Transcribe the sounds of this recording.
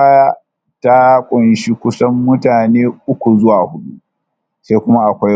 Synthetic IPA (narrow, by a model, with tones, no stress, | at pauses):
aː˦jaː˦ | ta˦kʷʼʊ˨nʃi˦kʷʊ˦sɐ˦mːʊ˦taː˨neː˦ʔʊ˦kʷu˨zʊ˦waː˨hʊ˦ɗṵ˦ʔ | sa˦jkʷʊ˦ma˦ʔa˨kʷa˦